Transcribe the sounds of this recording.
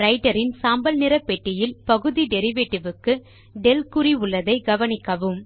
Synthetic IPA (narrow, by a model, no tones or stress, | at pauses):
ɾɐɪʈɐɾɪnsaːmbɐlnɪɾɐpːɛʈːɪjɪlpɐɣɯðiɖɛɾɪʋeːʈːɪʋɯkːɯ | ɖɛlkʊɾiʊɭːɐðɐɪɡɐʋɐnɪkːɐʋɯm